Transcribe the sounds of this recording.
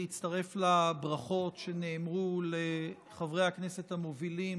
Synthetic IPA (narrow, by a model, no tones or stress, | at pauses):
it͡staʁe̞flabʁaχo̞tʃe̞neːmʁule | χavʁe̞jaknese̞thamovilim